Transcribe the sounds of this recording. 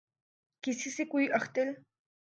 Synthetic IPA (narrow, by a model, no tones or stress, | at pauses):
kɪsɪsɪkʊjɑχt̪ɪl